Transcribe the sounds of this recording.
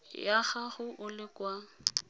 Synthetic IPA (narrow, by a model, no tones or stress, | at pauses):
jaχaχʊʔʊlɪkwa